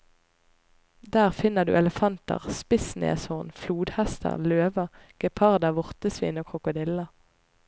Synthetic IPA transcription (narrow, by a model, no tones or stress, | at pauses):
d̪æːʁfɪnəʁd̪ʉ̰ːɛləfɑnt̪ə̰ʁspɪsnḛːshɔʁnfluːd̪hæst̪ʰə̰ʁløːʋəʁɡ̥ɛpʰɑʁd̪ɑʋʊʁt̪əsʋḭːnoːkʰʁʊkʊd̪ɪlɑ